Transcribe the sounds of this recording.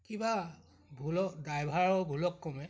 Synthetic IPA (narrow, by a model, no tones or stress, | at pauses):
kiba | bʱulɔkdajbʱaɹɔbʱulɔkːɔmɛ